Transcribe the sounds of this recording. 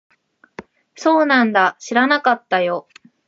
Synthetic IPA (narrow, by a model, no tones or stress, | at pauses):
so̞ːnãnd̪aɕiɾanakat̪ːajo̞